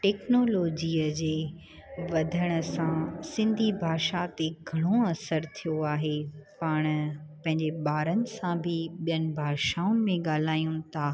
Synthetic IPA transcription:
ʈɛːknoːloːd͡ʑiːəd͡ʑeː | ʋɐd̪ʱəɽ̃ə̆sãsɪ̃nd̪ʱibʱaːʃat̪eɡʱɐɽ̃oɐsəɾt̪ʰijoaːɦepaːɽ̃pɐ̃ɦɪ̃ɲd͡ʑeɓaːɾənɪ̆sãbʱɪɓijənɪ̆bʱaːʃaːʊnɪ̆mẽɠaːl̤aːjũt̪ʰaː

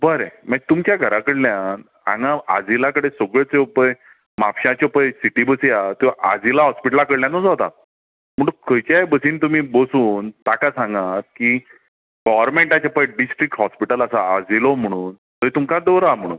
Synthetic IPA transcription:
bəɾeməɡ̚t̪umt͡ɕjaɡʱəɾakəɽljãn | ã̰ŋɡãad͡zilakəɽesoɡɭet͡sepəj | mapɕãt͡ɕepəjsiʈibəsijat̪ja̰d͡zilaɦɔspiʈəlakəɽljanot͡sɦot̪a̰ | m̤əʈukʰəjt͡ɕajbəsiːnt̪umiːbosuːnt̪akasãŋɡat̪ki | ɡɔʋəɾmeɳʈat͡ɕapəɖisʈɾik̚ʈɦɔspiʈələsaːd͡zilom̤əɽ̃uːn | t̪əit̪umkad̪əʋɾam̤əɽ̃ṵːn

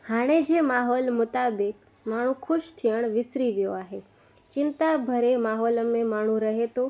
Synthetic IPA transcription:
haɽ̃ed͡ʒemaɦɔlmʊt̪abɪk̚ | maɽ̃ũkʰʊʃt̪ʰiəɳ̃ʋɪsɾiʋjoaɦe | t͡ʃɪnt̪abʱəɾemaɦɔləmẽmaɽ̤̃ũɾəɦet̪o

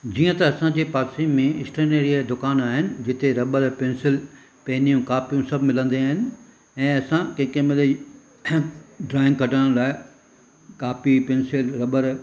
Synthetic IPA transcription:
d͡ʑiːə̃t̪ɐːsãd͡ʑeːpaːɾsiːmmːẽɪsʈəneɾiəd̪ʊkaːnaːɦɪnɪ̆d͡ʑɪt̪eɾɐɓəɾpeːnsɪl | peɦɪnijũkaːpijũsɐbʱmɪlə̃nd̪iaːɦɪnɪ̆ | ɛ̃ːɐsãkɐ̃kẽmɪli | ɖɾaːɪ̃ŋɡkɐʈəɽ̃laːɪ | kaːpipẽːnsɪlɾɐɓəɾ

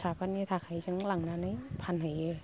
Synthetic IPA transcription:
sʰaːpʰanit̪ʰak̚hajt͡ɕaŋlaŋnaːnajpʰanhaje

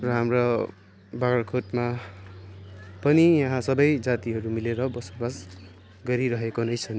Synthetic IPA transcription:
rʌɦamrʌ | baɡʌrkʰoʈma | pʌnijaɦãsʌbʌjd͡zat̪iɦʌɾumileɾʌbʌsobas | ɡʌɾiɾʌɦekonʌjt͡sʰʌn

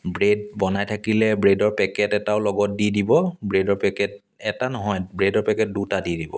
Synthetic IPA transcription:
bɹed̚bɔnajtʰakilɛbɹedɔɹpɛkɛtɛtaʊlɔɡɔt̚didibɔbɹedɔɹpɛkɛt̚ | ɛtanɔɦɔjbɹedɔɹpɛkɛt̚dutadidibɔ̰

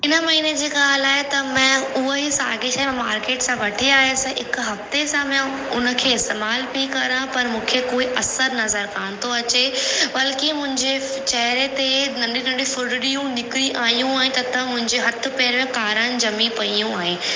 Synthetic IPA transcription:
ɪnəmɐɦiːned͡ʑeːɡaːlaːɦet̪ɐmɛ̃ːʊɦoɦisa̰ːɾɡeʃaːm̃maːɾkeːʈsãʋɐʈʰiaːɦesɛ̃ɪkɦɐft̪esãmɛ̃ | ʊnə̆kʰeːɪst̪eːmaːlbikɐɾãpɐɾmũːkʰekoːiʔɐsəɾnɐzəɾkaːñt̪ʰoɐt͡ɕebɐlkimʊ̃ɦɪ̃ɲd͡ʑe | t͡ɕɐɦɪɾet̪enɐ̃ɳɖinɐ̃ɳɖĩfʊɾɽɪɽijũnɪkɾiʔaːɦijũaːɛ̃ɦɪ̃t̪ɐt̪ɐmʊ̃ɦɪ̃ɲd͡ʑeɦɐt̪ʰʊ̆peːɾmẽkaːɾəñɪ̆d͡ʑɐmipɐijũaːɦẽ

